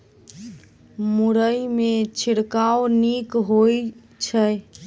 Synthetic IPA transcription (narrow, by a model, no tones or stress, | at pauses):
muɾəjmet͡ʃʰiɽkaonikɦoj | t͡ʃʰə